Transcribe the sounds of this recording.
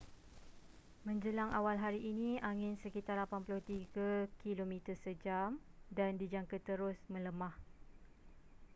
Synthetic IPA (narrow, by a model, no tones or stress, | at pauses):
mə̃ɲd͡ʒəlaŋa̰walɦaɾiʔːnĩaŋɪnsəkit̪arlapanplʊht̪iɡakilomĩt̪əsəd͡ʒamdandid͡ʒaŋkət̪əɾʊsmə̃ləmãh